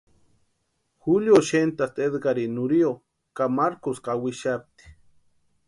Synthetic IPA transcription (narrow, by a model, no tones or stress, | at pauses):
xuljoʃent̪ast̪ed̪ɡaɾinuɾio | kamaɾkoskawiʃap̚t̪i̥